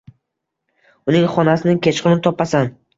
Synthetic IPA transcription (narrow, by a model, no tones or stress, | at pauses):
ʊnɪŋχɒnasɪnɪkʲʰet͡ʃqɨnɪt̪ʰɒpːasan